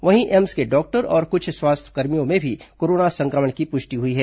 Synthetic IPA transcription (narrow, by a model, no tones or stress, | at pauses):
ʋɐɦĩʔɛmskeɖɔːk̚ʈəɾɔːɾkʊt͡ʃʰswaːst̪ʰə̥kɐɾmijõmẽbʱikoːɾoːnasɐ̃ŋkɾəməɳkipʊʃʈiɦʊiɦɛː